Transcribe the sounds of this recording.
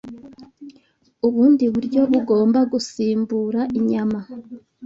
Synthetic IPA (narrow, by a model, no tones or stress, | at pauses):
uβuːndiβuɾɟo̞βuɡo̞ːmbaɡusiːmbuɾaʔiɲama